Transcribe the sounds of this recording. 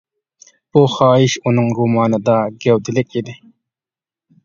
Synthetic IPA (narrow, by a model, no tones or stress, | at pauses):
b̥uχɑːɪʃunɨŋɾumɑːnɨd̪ɑɡʲɛwd̪ɪlɪkʲid̪ɪ